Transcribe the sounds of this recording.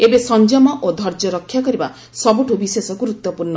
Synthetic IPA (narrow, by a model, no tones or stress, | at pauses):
ebesɔnd͡ʒɔmɔʔod̪ʱɔɾd͡ʒɔɾɔkʰːjakɔɾiba | sɔbuʈʰubisesɔɡuɾut̪ːɔpuɾnɔ